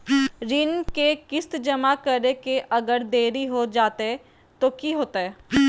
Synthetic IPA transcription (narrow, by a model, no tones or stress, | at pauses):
ɾɪnkekɪst̪d͡ʒəmakəɾekeʔɐɡəɾd̪eːɾiɦod͡ʒaːt̪eɦɛ | t̪okiɦoːt̪aɦɛː